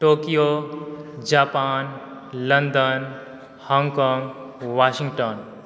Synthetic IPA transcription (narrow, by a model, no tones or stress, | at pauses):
ʈoːkijo | d͡ʒaːpaːnlənd̪ən | hɔ̃ŋɡkɔŋɡʋaːʃĩŋɡʈɔn